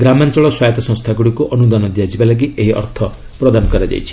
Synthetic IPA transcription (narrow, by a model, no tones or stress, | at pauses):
ɡɾamant͡ʃɔɭɔswajɔt̪ɔsɔ̃ŋst̪ʰaɡuɽikuʔɔnud̪anɔd̪ijad͡ʒibalaɡ̬ieɦiɔ̰ɾt̪ʰɔ | pɾɔd̪anɔkɔɾad͡ʒa̰jt͡ʃʰi̥